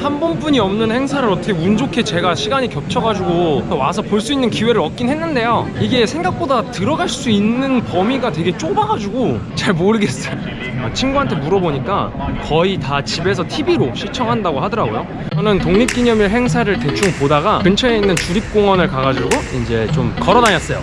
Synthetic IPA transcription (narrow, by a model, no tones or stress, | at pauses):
hanbʌnbuɲiʌmnɯnhe̞ŋsʰaɾɯɭʌtʰʌkʰemund͡ʑokʰe̞t͡ɕe̞ɡaɕʰiɡaɲikjʌp̚t͡ɕʰʌɡad͡ʑuɡotʌwasʰʌpoɭs͈uinːɯnkiwe̞ɾɯɭʌk̚k͈inɦe̞nːɯnde̞joiɡe̞sʰe̞ŋɡak̚p͈odatɯɾʌɡaɭs͈uinːɯnpʌmiɡatwe̞ɡe̞t͡ɕ͈obaɡad͡ʑuɡot͡ɕaɭmoɾɯɡe̞s͈ʌjo | at͡ɕʰimɡuɦantʰe̞muɾʌboɲik͈a | kʌitat͡ɕibe̞s̬ʰʌtʰibiɾoɕʰit͡ɕʰʌŋɦandaɡoɦadʌɾaɡojo̰ | kʌnɯntoŋɲip̚k͈iɲʌmiɭɦe̞ŋsʰaɾɯɭte̞t͡ɕʰuŋpodaɡakɯnt͡ɕʰʌeinːɯnt͡ɕuɾip̚k͈oŋʌnɯɭkaɡad͡ʑuɡoind͡ʑe̞t͡ɕomkʌɾʌnaɲas͈ʌjo̰